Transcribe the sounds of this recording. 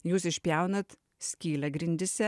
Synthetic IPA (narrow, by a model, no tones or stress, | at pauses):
juːsɪʃʲpʲjɛʊnɐt̪ | sʲkʲiːlʲɛɡɾʲɪnʲd̪ʲɪsʲɛ